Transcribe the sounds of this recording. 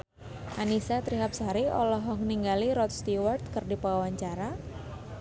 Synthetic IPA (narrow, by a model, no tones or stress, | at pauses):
ʔanisat̪ɾiɦap̚sɦaɾiɔ̰lɔɦɔŋniŋɡaliɾɔt̪̚st̪iwart̪̚kərdipawawaɲt͡ʃaɾa